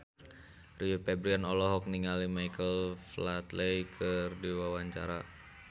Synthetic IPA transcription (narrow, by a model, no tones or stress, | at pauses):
riupɛbɾianɔlɔɦɔk̚niŋalimajkəlflat̪lɛjkʰərdiwawaɲt͡ʃa̰ɾa